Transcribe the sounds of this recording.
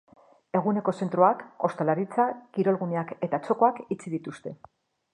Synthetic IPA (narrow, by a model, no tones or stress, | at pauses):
e̞ɣune̞ko̞se̞nt̪ɾuako̞st̪alaɾit͡sakiɾo̞lɣuneake̞t̪at͡ʃo̞ko̞akit͡siðit̪ust̪e̞